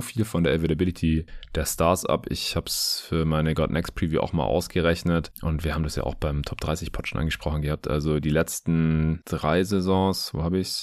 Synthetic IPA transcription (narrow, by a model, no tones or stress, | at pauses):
fiːlfɔndeːɐɛvedabɪlɪtʰid̥eːɐstaɐsʔa̰pʔɪ̰çhaːbsfyːɐmaɪnəɡɔdnʔɛkspʁ̥iːvjṵːʔa̰ʊxma̰ːlʔa̰ʊsɡ̥əʁɛçnətʔʊntv̥iːɐhaːbm̩dasja̰ːʔa̰ʊxb̥aɪmtʰɔp̚d̥ʁaɪsɪçpʰɔtʃonʔa̰nŋɡəʃpʁ̥ɔχn̩ɡəhaːp̚tʔa̰lzodiːlɛt͡stn̩d̥ʁaɪzezɔ̃ːsvo̰ːhaːbɪçs